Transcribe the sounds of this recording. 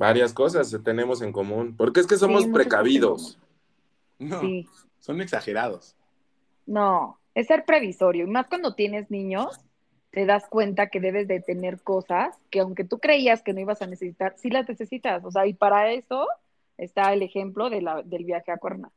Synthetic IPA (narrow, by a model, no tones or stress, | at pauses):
baɾjasko̞s̬aset̪e̞nẽ̞mo̞s̬e̞ŋko̞mũnpo̞ɾkees̬ke̞s̬o̞mosppɾekaβiðo̞s | si | soneksaxeɾaðos | no | esːe̞ɾpɾe̞βiso̞ɾjo̞imaskwand̪o̞t̪je̞ne̞znĩɲo̞s | t̪e̞ðaskwe̞nt̪ake̞ðe̞β̞e̞zðe̞t̪e̞ne̞ɾko̞saske̞awŋke̞t̪ukɾe̞iaske̞no̞iβasane̞sesit̪aɾsilazne̞se̞sit̪aso̞s̬eaipaɾae̞so̞ | est̪aele̞xe̞mplo̞ðe̞laðe̞lβjaxe̞akwe̞ɾna̰